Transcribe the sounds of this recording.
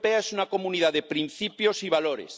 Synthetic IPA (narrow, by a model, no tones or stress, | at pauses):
peaesunako̞munið̞aðepɾin̟θipjosiβ̞aloɾḛs